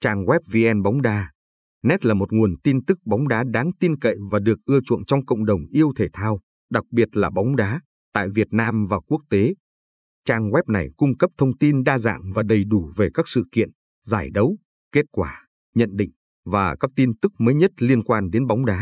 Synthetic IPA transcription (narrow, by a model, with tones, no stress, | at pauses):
t͡ɕaː˧ŋɣwɛ˦˥p̚vi˧ʔɛ˧nɓa˨˦wŋ͡mɗaː˧ | nɛ˦˥t̚laː˨˩mo˨˩t̚ŋu˨˩ənt̪i˧nt̪ɨ˦˥k̚ɓa˨˦wŋ͡mɗaː˨˦ɗaː˨˦ŋt̪i˧nkə̰˧˨jvaː˨˩ɗɨ˨˩ək̚ʔɨ˧ət͡ɕṵ˧˨ənt͡ɕɔ˧wŋ͡mkə̰˧˨wŋ͡mɗə˨˩wŋ͡mʔi˧əwt̪ʰe˧˩t̪ʰaː˧w | ɗa˨˩k̚ɓi˨˩ət̚laː˨˩ɓa˨˦wŋ͡mɗaː˨˦ | t̪a̰ː˧˨jvi˨˩ət̚naː˧mvaː˨˩ku˦˥ək̚t̪e˨˦ | t͡ɕaː˧˩ŋɣwɛ˦˥p̚na˨˩jkʊ˧ŋ͡mkə˦˥p̚t̪ʰə˧wŋ͡mt̪i˧nɗaː˧za̰ː˧˨ŋvaː˨˩ɗə˨˩jɗu˧˩ve˨˩kaː˦˥k̚sɨ̰˧˨kḭ˧˨ən | zaː˧˩jɗə˨˦w | ke˦˥t̚kwaː˧˩ | ɲə̰˧˨nɗḭ˧˨ŋ̟ | vaː˨˩kaː˦˥k̚t̪i˧nt̪ɨ˦˥k̚məː˨˦jɲə˦˥t̚li˧ənkwaː˧nɗe˨˦nɓa˨˦wŋ͡mɗaː˨˦